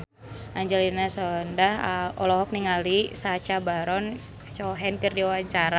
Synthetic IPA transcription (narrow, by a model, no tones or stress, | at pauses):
ʔaɲd͡ʒɛlinasɔndahəɔlɔɦɔk̚niŋalisat͡ʃabaɾɔn | t͡ʃɔɦɛnkərdiawaɲt͡ʃaɾa